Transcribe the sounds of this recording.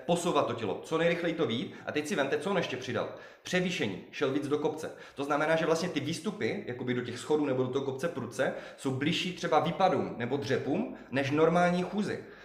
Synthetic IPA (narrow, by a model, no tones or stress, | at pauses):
po̞sowvat̪ːo̞cɛlo̞̰t͡sonɛjɾɪxlɛjit̪o̞viːt̪ʔa̰t̪ɛcsɪvɛmt̪ɛt͡soonɛʃcɛpr̝̥ɪda̰l | pr̥ɛviːʃɛɲḭːʃɛlviːd͡zdo̞ko̞pt͡sɛ̰ | t̪o̞znamɛnaːʒɛvlast̪ɲɛt̪ɪviːst̪upɪjʔakobɪdo̞cɛxsxo̞duːnɛbodot̪oɦokop̚t͡sɛpɾut͡sɛso̞wblɪʃiːt̪r̥ɛbaviːpaduːmnɛbo̞d̪r̝ɛpuːm | nɛʃno̞ɾmaːlɲiːxuːzɪ̰